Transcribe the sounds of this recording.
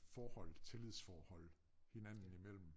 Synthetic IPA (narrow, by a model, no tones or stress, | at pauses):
fɒːhɒ̽l̰t͡sʰe̝lið̰ˠsfɒːhɒ̽l̰ | he̝næn̰n̩imel̰m̩